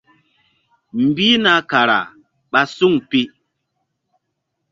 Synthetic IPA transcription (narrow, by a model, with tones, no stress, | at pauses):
m̩˨bi˦na˨ka˨ɾa̰˨ | ɓa˨su˦ŋpi˦